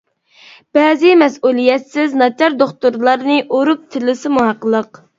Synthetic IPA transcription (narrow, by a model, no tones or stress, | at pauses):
b̥ɛzɪmɛsulˠijɛt̪sɪznɑt͡ʃʰɑɾd̪oχt̪uɾlˠɑɾnɨʔoɾup̚t̪ʰɪlɪsɪmuɦɑqːəlˠəq